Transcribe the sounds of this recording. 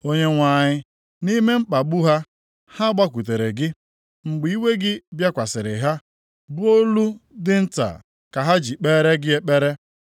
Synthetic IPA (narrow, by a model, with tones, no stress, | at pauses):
o˦ɲe˦ŋʷa˨ɲɪ˦ | ni˦me˦m̩˦k͡pa˨ɡ͡bu˦ɦa˦ | ha˦ɡ͡ba˦k̬ʷu˨t̬e˨ɾe˨ɡɪ˦ | ŋ͡m̩˨ɡ͡bi˨˦i˦we˦ɡɪ˦bja˦kʷa˨sɪ˨ɾɪ̰˨ɦa˦ | bʊ˦o˦lu˦dɪ˦n̩˦ta̰˨ | ka˨ɦa˦d͡ʒi˨k͡peː˦ɾe˦ɡɪ˦e˦k͡pe˦ɾe˦